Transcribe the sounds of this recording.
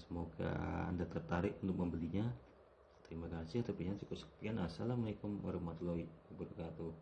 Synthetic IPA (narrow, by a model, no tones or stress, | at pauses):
səmoɡa̰a̰ndat̪ərt̪aɾɪʔunt̪ʊk̚məmbəliɲa | t̪əɾimakasɪht̪əpiɲansukusə̥k̚pianasalamaikʊmə̰ɾəmat̪loikəbuɾkat̪u